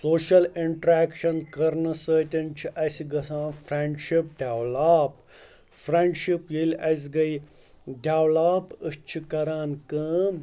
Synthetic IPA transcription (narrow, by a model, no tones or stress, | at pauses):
soːʃɐliɳʈɾeːkʃɐnkɐɾnɐsəːt̪ʲɐnt͡ʃʰiʔɐsiɡɐsãːfʰɾeɳɖʃip̚ɖʱʲaːwlaːp | fʰɾeɳɖʃipjilɐs̬ʲɡɐj | ɖʱʲjaːwlaːpɨt͡ʃʰikɐɾaːnkɐːm